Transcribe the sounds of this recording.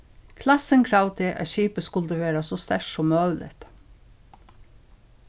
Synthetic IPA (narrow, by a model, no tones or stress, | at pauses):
kʰlɑsəŋkʰɾɑʊt̪ʰɪʔɑ̰çiːpəskʉld̪əʋeːɾɑsost̪æʃsɔmɑʉlʔɪ̰t̪